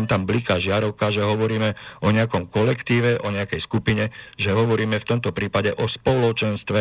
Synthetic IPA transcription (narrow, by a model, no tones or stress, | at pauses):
mt̪amblikaʒɪaɾɔʊkaʒɛɦɔʋɔɾiːmɛʔɔɲɛakɔmkɔlɛkt̪iːʋɛʔɔɲɛakɛjskupiɲɛʒɛɦɔʋɔɾiːmɛft̪ɔmt̪ɔpɾiːpaɟɛʔɔspɔlɔt͡ʃɛnst̪ʋɛ